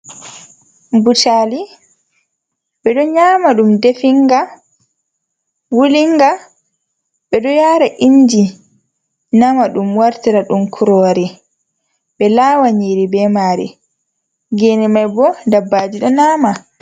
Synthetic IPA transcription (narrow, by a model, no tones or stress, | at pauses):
butaːli | ɓɛɗɔɲaːmaɗumdefiŋɡa | wuliŋɡa | ɓɛɗɔjaɾaʔiɲd͡ʒi | namaɗumwaɾtiɾaɗumkʰuɾɔːɾi | ɓɛlaːwaɲiːɾibɛmaːɾɛ̰ | ɡenɛmajbɔdabːaːd͡ʒiɗɔnaːma